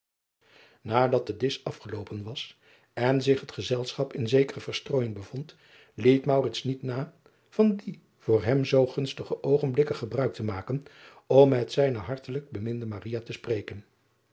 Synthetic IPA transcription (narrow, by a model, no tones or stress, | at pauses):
naːdɑt̚dədɪsɑfχəlowpənʋɑs | ɛnzɪχɦətχəzɛlˠsχɑpɪnzejkərəv̥əɹstroːjɪŋbəv̥ɔnt | lejtmɑwrɪtsnitnaː | v̥ɑndi | v̥ʊːɹɦɛmzowχɵnstəχəʔowχənblɪkəχəbrœɥk̚təmaːkən | ɔmːɛtsɛjnəɦɑɹtələɡ̚bəmɪndəmarijatəsprejkən